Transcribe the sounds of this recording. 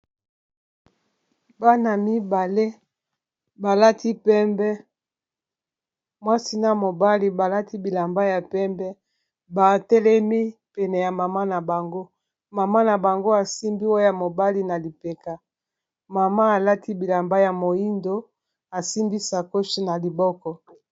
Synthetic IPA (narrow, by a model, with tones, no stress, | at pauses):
ba˦na˨mi˦ba˨le˦ | ba˨la˦tʰi˦pɛ˦mbɛ˦ | mwa˦si˦na˦mo˨ba˦li˦ba˨la˦ti˦bi˨la˨mba˦ja˨pɛ˦mbɛ˦ | ba˨tɛ˦lɛ˦mi˦pɛ˨nɛ˨ja˨ma˨ma˦na˨ba˨ŋɡo˦ | ma˨ma˦na˨ba˨ŋɡo˦a˨si˦mbi˦wo˦ja˨mo˨ba˦li˦na˨li˨pe˨ka˨ | ma˨ma˦a˨la˦ti˦bi˨la˨mba˦ja˨mo˨i˦ndo˦ | a˨si˦mbi˦sa˨ko˦ʃi˦na˨li˨bɔ˦kɔ˦